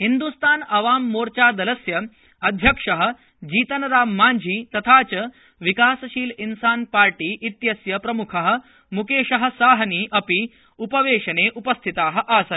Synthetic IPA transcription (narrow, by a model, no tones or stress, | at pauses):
ɦind̪ust̪ʰaːnɐʋaːmːoːɾt͡ʃaːd̪ɐlɐsjɐ | ɐd̪ʱjɐkʂɐɦɐ̆ | d͡ʑiːt̪ɐnɐɾaːmːaːɲd͡ʒʱiːt̪ɐt̪ʰaːt͡ʃɐ | ʋikaːsɐʃiːlinsaːnpaːɾʈiːʔit̪jɐsjɐpɾɐmukʰɐɦɐ̆ | mukeːʂɐɦɐ̆saːɦɐniːʔɐpi | upɐʋeːʂɐneːʔupɐst̪ʰit̪aːɦɐ̆ʔaːsɐ